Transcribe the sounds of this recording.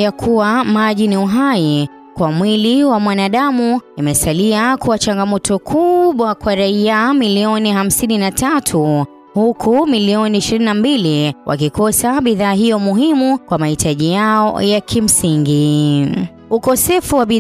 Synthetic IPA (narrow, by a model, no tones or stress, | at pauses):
jakʰuwamaʄiniuɦai | kwamwiliwamwanaɗamuimɛsaliakuat͡ʃaŋɡamɔtɔkʰuɓwakwaɾaiamiliɔniham̩sininatatʰu | hukʰumiliɔniːʃiɾininambiliwʔa̰kikɔsaɓiðaːɦijɔmuɦimukwamahitʰaʄijaɔ̰jakʰim̩siŋɡi | ukɔsɛfuwaɓi